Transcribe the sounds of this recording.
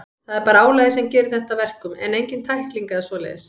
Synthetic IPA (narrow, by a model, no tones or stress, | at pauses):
θaðɛɾpaːɾaaːwlajðɪsɛmcɛːɾɪðθɛht̪avɛr̥kʏmɛ̰nejɲcɪnt̪ʰajhkliŋkaɛɾsvɔla̰jðɪs